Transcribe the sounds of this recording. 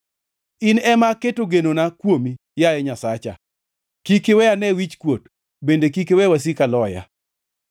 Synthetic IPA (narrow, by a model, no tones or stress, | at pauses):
ɪnɛmaketoɡenonakwomi | jaɛɲasat͡ʃa̰ | kikewɛanɛwit͡ʃkwot | bendekikewɛwas̬ikalɔja̰